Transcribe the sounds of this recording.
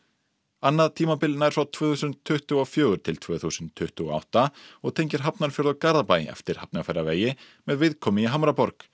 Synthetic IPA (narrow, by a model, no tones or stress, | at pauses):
anːaðt̪ʰiːmapɪlnaɛɾfawt̪ʰv̥œːθusʏnt̪ʰːʏht̪ʏwawfjœːɣʏɾ̥t̪ʰɪlt̪ʰv̥œːθusʏnt̪ʰːʏht̪ʏɣɔ̰a̰wht̪aɔɣt̪ʰejɲcɪɾ̥ɦapnaɾ̥fjɔɾðakaɾðapajɛ̰ft̪ɪɾ̥hapnafɛjɾaveːjɪ | mɛðvɪðkʰɔːmɪiɦamɾapɔɾk